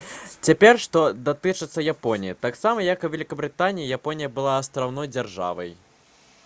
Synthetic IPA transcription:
t͡sʲapʲɛrʂt̪ɔd̪at̪ɨt͡ʂɨt̪sːɐjapɔnʲijit̪aksamɐjɐkuvʲɛlʲikɐbɾɨt̪anʲijijapɔnʲijɐbɨlˠaːst̪ɾawnɔjd͡zʲarʐa̰vɐ̰j

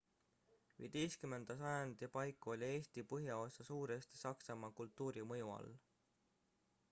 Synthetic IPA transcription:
vḭd̪̥ejskyme̞nd̪̥ɑsɑjɑnd̪̥ɑpɑjkːˑuo̞lʲie̞ːst̪ipɤɦjɑo̞sɑsuːɾe̞st̪i̥sɑksɑmɑkult̪ˑːuːɾimɤ̞juɑ̰l

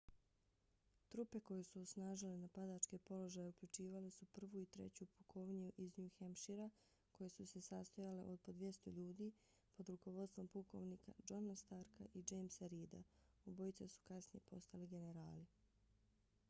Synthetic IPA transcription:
t̪ɾupe̞ko̞jesuosnaːʒilenapad̪at͡ʃke̞po̞lo̞ʒaːjeukʎut͡ʃiːʋalesupr̩ʋuit̪ɾe̞̰t͡ɕupukʰoʋɲuʔiznuxamʃiɾa | kʰo̞je̞suse̞sast̪ojale̞̰ʔo̞d̪̚po̞d̪ʋje̞st̪oʎuːd̪iː | po̞d̪ɾuko̞ʋo̞d̪st̪ʋo̞mpuko̞̰ʋniːka̰d͡ʒonast̪aɾka̰ʔid͡ʒejmsaɾiːd̪a̰ | obojt̪sasu̥kasnije̞po̞st̪aliɡe̞ne̞ɾa̰ːli

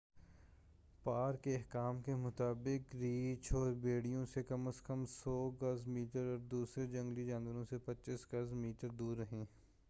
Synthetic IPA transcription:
paːɾkeɐɦkaːmkemʊt̪aːbɪkɾiːt͡ʃʰɔːɾbeːɽijõsekɐməskəmsɔːɡɐzmiːʈəɾɔːɾd̪uːsɾed͡ʒɐ̃ŋɡlid͡ʒãːnʋəɾõsepɐtːʃɪsɡɐzmiːʈəɾd̪uːɾːɐɦẽː

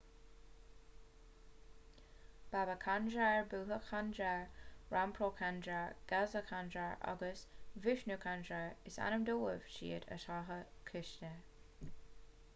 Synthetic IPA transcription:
b̥avəkʰand͡ʒaɹbuːɦəxʰandɾaɹɹʔampʰɾoːkʰandɾaɹɡ̥azəkʰandɹaɹa̰ɡəsvɪʃnukʰand͡ʒaɹɪsa̰nəmd̪oːəv̥ʃḭːəd̪ə̰ʃaɦəkʰɪʃtə

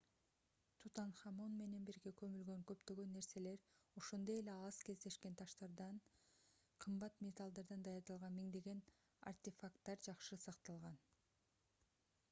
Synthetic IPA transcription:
t̪ʰut̪ɑnχɑmonme̞ne̞nbiɾɡe̞kø̞mylɡø̞ŋkøpt̪ø̞ɡø̞nːe̞ɾse̞le̞ɾo̞ʃo̞nd̪o̞je̞le̞ɑz̥ke̞zd̪e̞ʃke̞nt̪ʰɑʃt̪ɑɾd̪ɑn | qʰɯmbɑt̪mʲet̪alˠd̪ɑɾd̪ɑnd̪ɑjɑɾd̪ɑlˠʁɑnmiŋd̪e̞ɡe̞n | a̰rt̪ʲefakt̪ːɑɾd͡ʒɑqʃɯsɑqt̪ɑlˠʁɑn

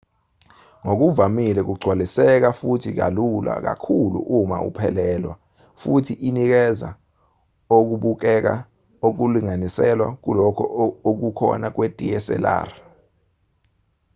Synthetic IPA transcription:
ŋok̬uvamilɛk̬uɡ͡ǀʱwalisɛk̬afutʰik̬a̰lula̰k̬a̰kʰulṵʔuma̰ṵpʰɛlɛːlwa̰ | futʰiʔinik̬ɛza̰ | ok̬uɓuk̬ɛk̬a̰ | ok̬uliŋanisɛlwa̰k̬ulɔkʰɔok̬ukʰɔ̰nak̬wed̥ʱijɛsɛ̰la̰ːri

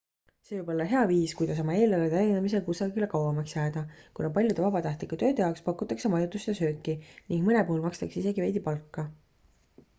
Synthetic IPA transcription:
se̞vɯjbpo̞lːɑɦe̞ɑviːskujd̪ɑs̬ɑmɑe̞ːlɑled̪eæjinemise̞lkusɑɡile̞kɑwvɑmɑksjæːd̪̥ɑkunɑp̬ɑlʲjud̪e̞vɑbɑt̪ɑht̪likːˑut̪ø̞ːd̪ejɑwkspɑkːˑut̪ːˑɑkse̞mɑjut̪ːˑust̪jɑsø̞ːkːˑiniŋɡ̥mɤne̞puhulmɑkst̪ɑkseise̞ɡivejd̪ipɑlkːɑ

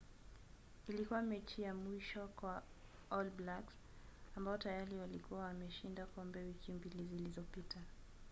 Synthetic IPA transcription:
ilikuwamɛt͡ʃijamwiʃɔkwa | ɔlblaks | ambaɔtajaɾiwalikuwawamɛʃindakɔmbɛwikʰimbilizilizɔpitʰa

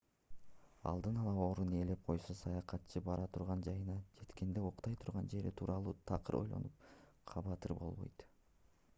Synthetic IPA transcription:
ɑ̰lˠd̪ɯnɑlˠɑo̞ːɾunele̞p̚qʰo̞jsosɑjɑqɑt̪t͡ʃʰɯbɑɾʔɑt̪ʰuɾʁɑnd͡ʒɑjɯnɑd͡ʒe̞t̪ke̞nd̪e̞oqt̪ɑjt̪ʰuɾʁɑnd͡ʒe̞ɾit̪ʰuːɾʔɑlˠuːt̪ʰɑqɯɾʔo̞̰jlˠo̰nupqʰɑβɑt̪ɯɾbo̞̰lˠβo̞̰jt̪

